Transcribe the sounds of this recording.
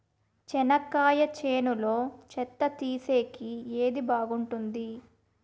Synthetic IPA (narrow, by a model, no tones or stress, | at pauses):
t͡ʃɛnɐkːaːjɐt͡ʃe̞ːnulo̞ːt͡ʃɛt̪ːɐt̪iːse̞ːkieːd̪ibaːɡuɳʈund̪i